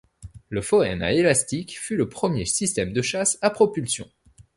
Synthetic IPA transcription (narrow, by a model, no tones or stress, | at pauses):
ləfɔɛ̰na̰elast̪ikfyləpχəmjesist̪ɛmd̪əʃasapχɔpylsjɔ̰̃